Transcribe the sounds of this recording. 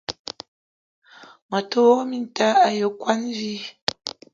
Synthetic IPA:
ma˨to˦o˦mi˦n˨ta˦a˨jo˨˦kwa˦nvi˦

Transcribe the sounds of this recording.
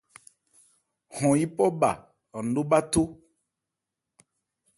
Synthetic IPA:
hɔ̃˨i˦pɔ˦ba̰˨ | ɔ˨n̩˨do˦ba˦to˦

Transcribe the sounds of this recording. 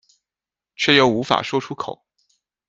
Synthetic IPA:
t͡ɕʰɥɛ˥˩jo˧˩ʊu˧˥fa̰˨˩ʂwɔ˥ʈ͡ʂʰu˥kʰo˨˩˦ʊ

